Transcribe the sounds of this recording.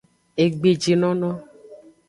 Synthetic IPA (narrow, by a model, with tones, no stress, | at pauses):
e˨ɡ͡be˨d͡ʒi˨nɔ̃˦nɔ̃˦